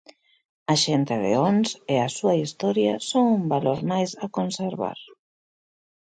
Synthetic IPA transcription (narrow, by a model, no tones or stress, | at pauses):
aʃent̪eðḛonseasuaist̪ɔɾjasoŋumbaloɾmajsakonseɾβa̰ɾ